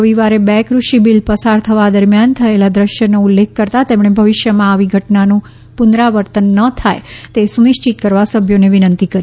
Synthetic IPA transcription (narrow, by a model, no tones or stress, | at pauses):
əʋiʋaɾebɛkɾuʃibilpəsaɾt̪ʰəʋad̪əɾmjant̪ʰəelad̪ɾəʃjənoulːekʰːəɾt̪at̪emɳebʱəʋɪʃjəmãaʋiɡʱəʈnanũ | punɾaʋəɾt̪ənːət̪ʰajt̪esuniʃt͡ʃit̪̚kəɾʋasəbʱjoneʋinənt̪ikəɾ